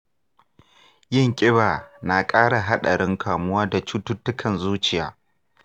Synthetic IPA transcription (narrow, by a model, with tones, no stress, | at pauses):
jɪ˦˨ŋkʲʼɪ˦baː˨na˨kʼaː˦ɽa˨ɦa˦ɗɐ˨ɽɪ˦ŋkʰaː˨mʊ˦waː˦da˨t͡ʃuː˦tʊ˦tːʊ˦kʰɐ˨nzuː˦t͡ʃɪ˨ja̰ː˦